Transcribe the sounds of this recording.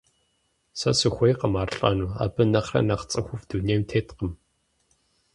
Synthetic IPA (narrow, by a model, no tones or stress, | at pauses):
sɐsɨxʷejqəmaːrɬʼɐ̰nuːa̰ːbɨnɐχrɐ̰nɐχt͡sʼɨxʷʊfd̥unejmtʰeːtqəm